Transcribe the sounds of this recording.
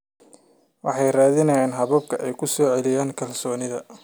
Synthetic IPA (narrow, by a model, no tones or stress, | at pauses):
wɑ̰ħɑjraːðɪnɐjaːnɦɐβɐb̚kʰɐʔɛjkʰʊsɔːʕɛlɪjaːŋkʰɐlsɔːnɪðɐ